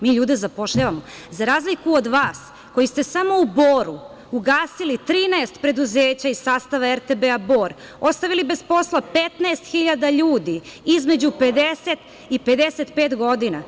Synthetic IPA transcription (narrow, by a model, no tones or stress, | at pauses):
miːʎuːd̪ezapo̞ʃʎaʋamo̞ | zaɾaːzlikuod̪ʋaːs | ko̞jist̪e̞samo̞uboːɾu | uɡaːsilit̪ɾiːnaest̪pɾed̪uzeːt͡ɕaissaːst̪aʋaeɾt̪ebeabo̞ːɾ | ost̪aʋilibe̞spo̞slapet̪naest̪xiʎad̪aʎuːd̪iizme̞d͡ʑupe̞d̪eset̪ | ipe̞d̪eset̪peːt̪ɡo̞d̪ina